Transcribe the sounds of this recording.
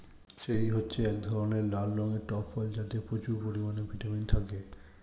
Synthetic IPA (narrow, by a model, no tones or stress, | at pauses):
ʃeɾiɦotːɕʰeɛk̚d̪ʱɔɾoneɾlalɾɔŋeɾʈɔpfɔld͡ʑat̪epɾot͡ɕuɾpoɾimanebʱiʈamint̪ʰake